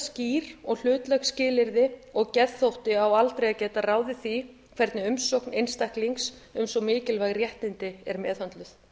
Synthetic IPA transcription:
sciːɾɔɣl̥ʏːt̪lœɣscɪːlɪɾðɪɔɣcɛðθowht̪ɪawalt̪ɾejacɛːt̪araːwðɪθi | kʰv̥ɛɾt̪nɪʏmsowknejnst̪ahkliŋksʏmsɔɣmɪːcɪlvajɣrjɛht̪ɪnt̪ɪɛɾmɛːðhant̪lʏθ

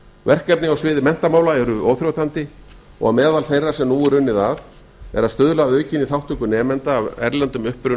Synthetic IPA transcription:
vɛr̥kɛp̚nɪawsvɪːðɪmɛn̥t̪amaːwlaɛɾʏʔoːwθɾjowt̪ant̪ɪ | ɔ̰ɣamɛːðalθejrːasɛmnuːɪɾʏnːɪðað | ɛ̰ɾaðst̪œːðʏlaðœːɥcɪniθawht̪ʏkʏnɛːmɛnt̪aːvɛ̰ɾlɛnt̪ʏmʏhpɾʏ

